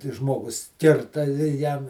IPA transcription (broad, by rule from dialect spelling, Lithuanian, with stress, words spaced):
tʲɪ ˈʒmoːɡʊs ˈkʲɪrtɐ ɪ ˈjɛm